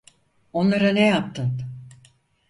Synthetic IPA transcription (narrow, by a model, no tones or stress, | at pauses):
o̞nlˠaɾanejap̚t̪ʰɯn